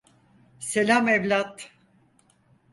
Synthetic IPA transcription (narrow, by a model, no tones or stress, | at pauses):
selʲamevlʲat̪